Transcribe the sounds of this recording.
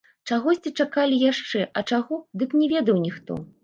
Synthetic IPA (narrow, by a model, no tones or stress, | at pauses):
t͡ʂaɣɔsʲt͡sʲit͡ʂakalʲijaʂt͡ʂɛʔɐt͡ʂaɣɔd̪ɨknʲɛvʲɛd̪ɐwnʲixt̪ɔ̰